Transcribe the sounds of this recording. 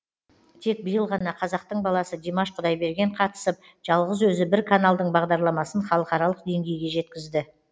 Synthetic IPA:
t̪ʰe̞k̚bəjəlˠʁɑnɑqʰɑzɑq̚t̪əɴbɑlˠɑsəd̪ʲemaʃqʰʊd̪ɑjbe̞ɾɡʲe̞ɴqʰɑt̪ə̥səp̚ | ʒ̥ɑlˠʁəzwɵzɪbɪɾkʰanalˠd̪əɴbɑʁd̪ɑɾlˠɑmɑsənχɑlˠəqɑɾɑlˠəqd̪e̞ŋɡʲe̞jɡʲe̞ʒe̞t̪kʲɪzd̪ɪ

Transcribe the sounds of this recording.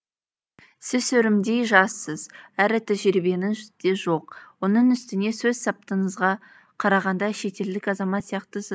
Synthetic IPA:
sɪzsɵɾɪmd̪ejʒɑsːəz̥æɾɪt̪ʰæʒɪɾɪbe̞nɪnʒʏd̪e̞ʒo̞q̚wonəɴʏst̪ɪne̞sɵzsɑp̚t̪əɴəzʁɑ | qʰɑɾɑʁɑnd̪ɑʃe̞t̪e̞ld̪ɪkʲɑzɑmɑt̪sijɑqt̪əsɪ

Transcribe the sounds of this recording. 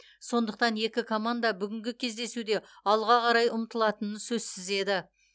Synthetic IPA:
so̞nd̪əq̚t̪ɑnje̞kʲɪkʰo̞mand̪abʏɡʲɪŋɡʲɪkʲʰe̞zd̪e̞sud̪e̞ɑlˠʁɑqʰɑɾɑjʊmt̪əlˠɑt̪ənənsɵzsɪze̞d̪ɪ

